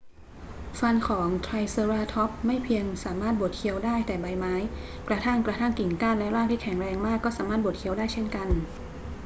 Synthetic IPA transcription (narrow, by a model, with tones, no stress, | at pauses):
fa˧nkʰɔː˩˦ŋt̪ʰɾa˧jsɤ˧ɾaː˧˩t̪ʰɔ˦˥p̚ma˥˩jpʰi˧əŋsaː˩˦maː˥˩t̪̚bo˨˩t̪̚kʰi˧ə˧wdaː˥˩jt̪ɛː˨˩ba˧jmaː˦˥jkɾa˧t̪ʰa˥˩ŋkɾa˧t̪ʰaː˥˩ŋki˨˩ŋkaː˥˩nlɛ˦˥ɾaː˥˩ŋt̪ʰiː˥˩kʰɛ˩˦ŋɾɛː˧ŋmaː˥˩kːɔː˥˩saː˩˦ma˥˩t̪bu˨˩t̪̚kʰi˧ə˧wdaː˥˩jt͡ɕʰe˥˩nka˧n